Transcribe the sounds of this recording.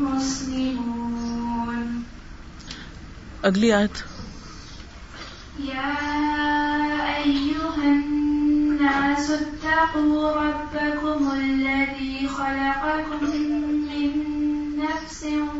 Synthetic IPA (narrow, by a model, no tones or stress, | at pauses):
mʊslɪmuːn | ʔaɡlɪaːt̪ | jaː | ʔajːʊɦanː | aːsat̪ːɑquːɾˤɑbːakʊmalːaðiːxalɑqɑkʊmːɪnːafsɪ